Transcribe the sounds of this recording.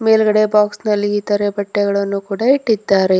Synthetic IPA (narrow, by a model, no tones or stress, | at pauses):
me̞ːlɡɐɽebaːksnɐlːiːt̪ɐɾebɐʈːɛɣɐɭɐnːukuːɽɐiʈːid̪ːaːɾe̞